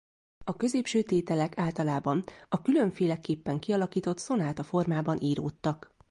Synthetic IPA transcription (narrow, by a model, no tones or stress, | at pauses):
ɒkø̞zeːpʃøːt̪eːt̪ɛlɛkaːlt̪ɒlaːbɒnɒkylø̞ɱfeːlɛkːeːpːɛŋkiɒlɒkiːt̪o̞t̪so̞naːt̪ɒfo̞rmaːbɒnʔiːɾoːt̪ːɒk